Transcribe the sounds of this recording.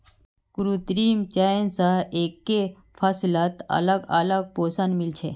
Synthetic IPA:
ɡ̥ʊɾut̪əɾiːmt͡ʃaːensaeːkːe | fʰaslat̪ɐ̰ləɡɐ̰ləɡ̚poːsənmɪlt͡ʃʰeː

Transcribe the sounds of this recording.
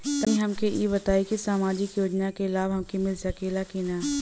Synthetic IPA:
t̪ɐĩɦɐmkʰeʔiːbɐt̪aːikisaːmaːd͡ʒɪkjoːd͡ʒnakeɪlaːbɦɐmkʰimɪlsakeːlakiːnaː

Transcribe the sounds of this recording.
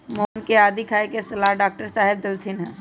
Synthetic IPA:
mɔːnkeaːd̪ikʰaːekesɐlaːɦɖaːk̚ʈəɾsaːɦɪb̚d̪ɐlt̪ʰɪnɦɛ̃ː

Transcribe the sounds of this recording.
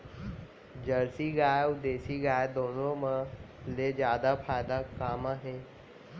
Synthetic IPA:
d͡ʑəɾsiɡaːjud̪eːsiɡaːjd̪oːnõmə | led͡ʒjaːd̪apʰaːjd̪akaːmaːɦe

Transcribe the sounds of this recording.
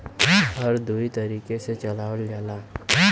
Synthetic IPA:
hɐɾd̪uit̪ɐɾiːkeset͡ʃɐlaːʋəld͡ʒaːlaː

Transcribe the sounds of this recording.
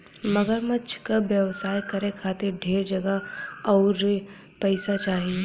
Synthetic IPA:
mɐɡəɾmɐt͡ʃʰkabjəʋsaːjkɐɾekʰaːt̪eɾɖʱeːɾd͡ʒɐɡaɔːɾ | pɛɪsat͡ʃaːɦie

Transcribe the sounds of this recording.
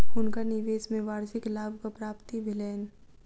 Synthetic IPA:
ʊnkanɪʋeːsmẽʋaːɾʃɪklaːbʱkapɾaːpt̪ibʱɪlɛːn

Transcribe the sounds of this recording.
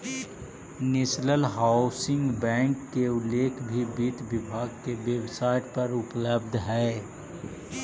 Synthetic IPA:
nɪsləlɦaːʊsɪ̃ŋɡbɛ̃ːŋkːeʊlːeːkʰbʱibiːt̪ʋɪbʱaːɡkeʋebsaːɪʈpɐɾʊpləb̚d̪ʱɦɛː

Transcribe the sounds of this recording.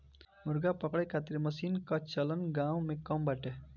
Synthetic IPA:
mʊɾɡapəkɽəjkʰat̪iɾməsiːnkat͡ʃələnɡãːw̃mẽkəmbaʈe

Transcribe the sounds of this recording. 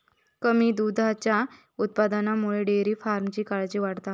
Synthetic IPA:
kəmiːd̪ud̪ʱat͡ɕja | ut̪̚pad̪anamuɭeɖeɾiːfaɾmt͡ɕiːkaɭd͡ʑiːʋaʈt̪a

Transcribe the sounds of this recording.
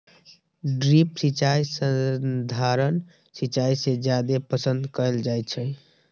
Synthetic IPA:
ɖɾipsit͡ʃajsəd̪ʱaɾən | sit͡ʃaised͡ʒjad̪epəsənd̪kəɛld͡ʒajt̪t͡ʃʰɛ

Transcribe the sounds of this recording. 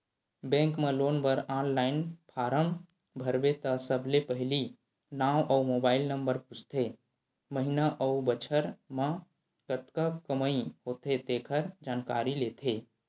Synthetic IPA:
bɛ̃ːŋkmẽloːnbəɾaːnlaːɪnpʰaːɾəm | bʱəɾbet̪əsəbʱlepəɦɪli | naːʔəumoːbaːɪlnəmbəɾput͡ʃʰt̪ʰe | məɦinaʔəubət͡ʃʰəɾmã | kət̪kakəməiɦoːt̪et̪eːkʰəɾd͡ʒaːnka̰ːɾileːt̪ʰeː

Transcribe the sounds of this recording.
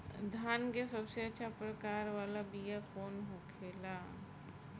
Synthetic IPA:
d̪ʱaːnkesɐbseɐtːʃʰapɾəkaːɾʋaːlabijafʰoːnɦokʰeːlaː

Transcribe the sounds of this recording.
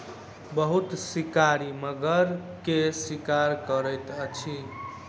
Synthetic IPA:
bəɦut̪swikaɾiməɡəɾkeswikaɾkəɾəjt̪ət͡ʃʰi

